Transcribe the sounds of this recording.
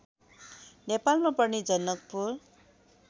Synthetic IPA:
nepalmapʌrnid͡zʌnːʌk̚pur

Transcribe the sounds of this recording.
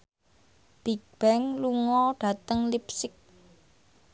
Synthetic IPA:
b̥ik̚b̥ɛŋluŋɔɖ̥ä̤t̪əŋlipsɪk̚

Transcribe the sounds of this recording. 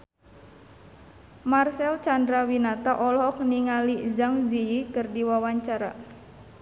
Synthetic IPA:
marsɛlt͡ʃandɾawinat̪aʔɔlɦɔk̚niŋalizaŋziikɨrdiwawaɲt͡ʃaɾa̰

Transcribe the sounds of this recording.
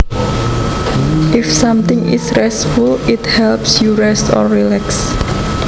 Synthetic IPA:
ʔɪfsãmt̪ɪŋɪ̰sɾɛsfulɪt̪hɛlpsjuɾɛstɔ̰rːilɛks

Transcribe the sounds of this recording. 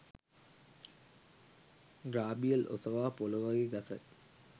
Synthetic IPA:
ɡɾaːbijɐlʔo̰sɐʋaːpolɐʋaɡeɡɐsɐ̰t̪

